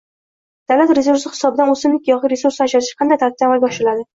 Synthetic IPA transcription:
d̪̥awlat̪ɾesuɾsɪχɪ̥sɒbɪd̪anɵsɪmlɪkʲjɒʁɨɾesuɾsaʃaʃɪ̥qʰɑnd̪ajt̪aɾt̪̚ːamalʲbɒʃlɪlad̪ɪ

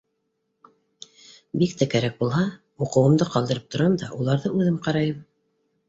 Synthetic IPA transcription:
bikt̪ækæɾæk̚bulˠɦɑ | uqɤ̆wɤ̆md̪ɤqɑlˠd̪ɤ̆ɾɤp̚t̪ŏɾɑnd̪ɑʔulˠɑɾðɤʔʉðɘmqɑɾɑjɤm

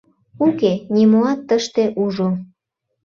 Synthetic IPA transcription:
ukenʲimoɑt̪ːəʃt̪eʔuʒo

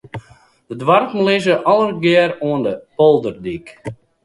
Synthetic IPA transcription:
d̥ədʋarkm̩lɪzəʔɔlˠərɡɪəɾuəndəpolˠdərdik

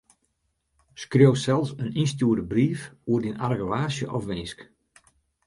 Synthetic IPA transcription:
skroːwsɛlˠsəninstjuərdəbriːfuərdinarɡəʋaːsjəʔɔfʋɪnsk

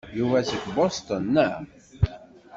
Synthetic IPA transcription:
juvæsəɡbost̪ənːæ

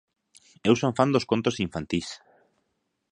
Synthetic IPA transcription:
ewsoɱfand̪oskont̪osiɱfant̪is

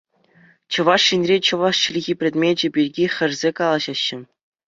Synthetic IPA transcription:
t͡ɕɤ̆ʋɑʂɕinʲrʲet͡ɕɤ̆ʋɑʂɕilʲɣʲipʲrʲĕt̪ʲmʲed͡ʑɘ̆bʲirʲɡʲixʲɘ̆rʲzʲekɑlˠɑʑɑɕːɘ̆

